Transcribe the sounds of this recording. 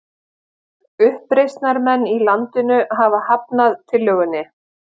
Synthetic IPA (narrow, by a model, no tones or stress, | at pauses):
ʏhpɾejst̪naɾmɛnːilant̪ɪnʏɦavahap̚naðt̪ʰɪlːœːɣʏnːɪ